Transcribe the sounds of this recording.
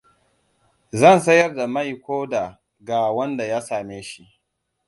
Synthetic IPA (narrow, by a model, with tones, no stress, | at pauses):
zɐ˦˨nsɐ˦jɐ˦rda˨mɐ˦˨jkʷoː˦da˨ | ɡaː˨wɐ˦nda˨ja˦saː˨meː˦ʃi˦ʔ